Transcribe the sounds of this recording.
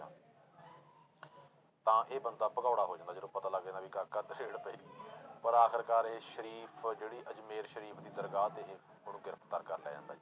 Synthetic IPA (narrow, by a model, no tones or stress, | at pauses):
t̪ãːʔeːbənd̪aːpəɡaːɽaːɦoːd͡ʒãːnd̪ad͡ʒəõːpət̪aːləɡdeːnaːbiːkakəd̪ɾeːɽpəiːpəɾaːkʰəɾkaːɾeːʃəɾiːpʰd͡ʒeːɽiːʔəd͡ʒmeːɾʃəɾiːpʰd̪iːd̪əɾɡaːt̪eɦː | əɽũːɡɪɾəpʰt̪əɾkəɾljɛ̰ːd͡ʒã̰ːnd̪a̰ːd͡ʒiː